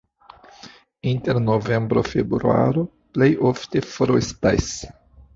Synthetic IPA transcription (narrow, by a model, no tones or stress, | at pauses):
inteɾnove̞mbɾo̰febɾɾua̰ɾo | plejʔoftefoɾestajs